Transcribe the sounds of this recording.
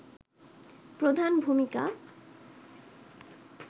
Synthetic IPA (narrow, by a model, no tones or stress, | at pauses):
pɾod̪ʱanbʱumika̰